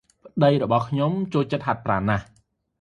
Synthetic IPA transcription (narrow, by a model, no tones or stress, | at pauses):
pə̆ɗəjrɔɓɑhkʰɲomt͡ɕoːlt͡ɕət̪̚hat̪̚praːnːah